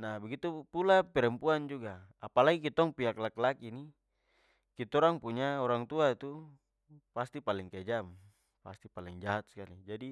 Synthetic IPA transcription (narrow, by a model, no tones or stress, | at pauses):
nabɛɡit̪upulapɛɾɛmpuand͡ʒuɡaapalaɡikit̪ɔŋpiaklaklakini | kit̪ɔɾaŋpuɲaɔɾaŋt̪uat̪u | past̪ipaliŋked͡ʒam | pa̰st̪ipaliŋd͡ʒaɦat̪̚skalid͡ʒadi